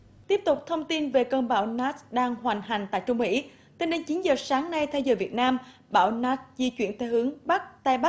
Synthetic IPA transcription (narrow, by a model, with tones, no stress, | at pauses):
t̪i˦˥əp̚t̪ʊ˨˩k͡p̚t̪ʰə˧wŋ͡mt̪i˧nve˨˩kəː˧nɓa̰ː˧˩wnaː˦˥t̚ɗaː˧ŋɦwaː˨˩ŋ̟ɦa˨˩ŋ̟t̪a̰ː˧˨jt͡ɕʊ˧ŋ͡mmḭ˧˥ | t̪e˧nɗe˨˦nt͡ɕi˨˦nzəː˨˩saː˨˦ŋna˧jt̪ʰɛ˧wzəː˨˩jvi˨˩ət̚naː˧m | ɓaː˧˩wnaː˨˦˥t̚zḭ˧t͡ɕwḭ˧˩ənt̪ʰe˧˩hɨ˨˦əŋɓa˦˥k̚t̪aː˧jɓa˦˥